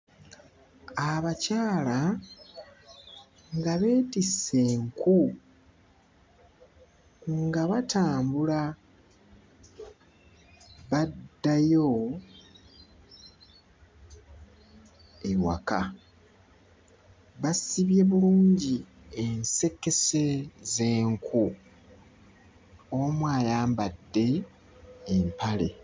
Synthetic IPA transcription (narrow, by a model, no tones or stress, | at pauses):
aβacaːla | ŋɡaβe̞ːtise̞ːŋku | ŋɡaβataːmbula | βadːajo | ewa̰ka | βasiβje̞βuluːɲɟi | ense̞kːe̞se̞ze̞ːŋkʰu | omwaːjaːmbadːe̞ː | mpʰale̞̰